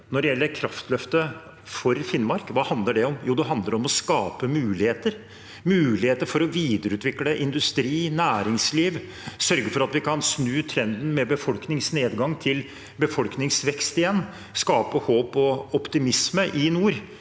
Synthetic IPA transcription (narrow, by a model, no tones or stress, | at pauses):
nɔɖɛjɛlːəɾkʰɾɑft̪lœft̪ə | fɔɾfɪnmɑɾkʋɑːhɑnd̪ləɖɛɔmjuːd̪ɛɦɑnd̪ləɾɔmɔskɑːpəmʉːlɪheːt̪əɾ | mʉːlɪheːt̪əɾfɔɾɔʋiːd̪əɾʉːt̪ʋɪkləʔɪnd̪ʉst̪ɾiːnæːɾɪŋsliːʋ | sœɾɡəɾfɔɾɑt̪ʋɪkʰɑnsnʉːt̪ʰɾɛnd̪n̩mɛbəfɔlknɪŋsneːd̪ɡɑŋːt̪ʰɪl | bəfɔlknɪŋsʋɛkst̪ɪjɛnː | skɑːpəhoːpɔɔpt̪ɪmɪsməʔɪnuːɾ